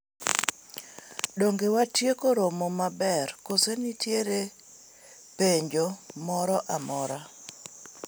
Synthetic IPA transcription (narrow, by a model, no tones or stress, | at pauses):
ɗoŋɡewatjekoɾomɔmabɛrkosenitjeɾe | peɲd͡ʒomɔɾɔʔamɔɾa